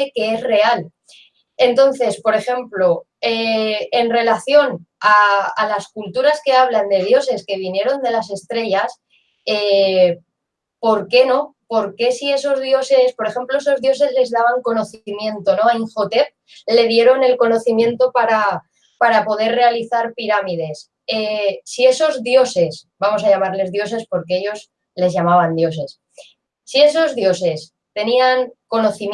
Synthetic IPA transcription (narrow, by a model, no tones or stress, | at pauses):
eke̞ezre̞al | e̞nt̪o̞nθe̞spo̞ɾe̞xe̞mplo̞ | eenre̞laθjo̞naːlaskult̪uɾaske̞aβ̞land̪e̞ðjo̞se̞ske̞β̞inje̞ɾo̞nd̪e̞lase̞st̪ɾe̞ʝas | e | po̞ɾke̞no̞po̞ɾke̞sie̞so̞zðjo̞se̞spoɾe̞xe̞mplo̞e̞so̞zðjo̞se̞zle̞zðaβ̞aŋko̞no̞θiimjẽ̞nt̪o̞no̞aiŋxot̪e̞p̚ | le̞ð̞je̞ɾo̞ne̞lko̞no̞θimjẽ̞nt̪o̞paɾa | paɾapo̞ð̞e̞ɾre̞aliθaɾpiɾamið̞e̞s | esie̞so̞zðjo̞se̞sbamo̞s̬ajamaɾle̞zðjo̞se̞spo̞ɾkeeʎo̞z | le̞zʝamaβ̞and̪jo̞s̬e̞s | sie̞s̬o̞zðjo̞se̞s | t̪e̞niaŋko̞no̞θim